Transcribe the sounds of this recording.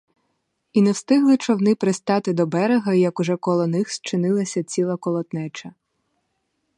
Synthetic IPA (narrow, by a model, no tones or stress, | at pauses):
inɛwst̪ɪɦlˠɪt͡ʃɔwnɪpɾest̪ɑt̪ɪd̪ɔbɛɾeɦɐijɐkʊʒɛkɔlˠɔnɪxst͡ʃɪnɪlˠɐsʲɐt͡sʲilˠɐkɔlˠɔt̪nɛt͡ʃɐ